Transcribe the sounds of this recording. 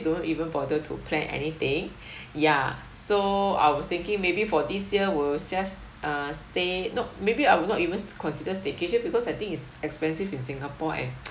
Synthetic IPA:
dõntivə̃nfɔdətʰṵpʰlɛ̰̃nʔɛ̰nit̪ɪ̃ŋ | ja | soa̰jwɔst̪ɪ̃ŋkɪ̃ŋmebifɔdisjiəwild͡ʒas | ʔastenɔmebiawilnɔtivə̃nskʰɔ̃nsidəstekeʃəbikɔsajt̪ĩŋitsɛkspɛ̃nsivĩnsĩŋapɔʔɛ̰̃n

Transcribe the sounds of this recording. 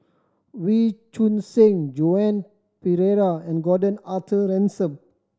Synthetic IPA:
wit͡ʃũnsɪ̃ŋd͡ʒoɛ̃n | piɹeɹaɛ̃nɡɔdə̃natʰəɹɛ̃nsə̃m

